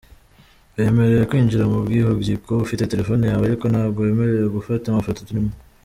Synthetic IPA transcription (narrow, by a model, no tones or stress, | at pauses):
βe̞ːme̞ɾe̞jekwiːnd͡ʒiɾamubɡiːhobjikoβufite̞te̞ɾe̞fonejaːβaɾikonhaːβɡoβe̞ːme̞ɾejeɡufatamafototinimo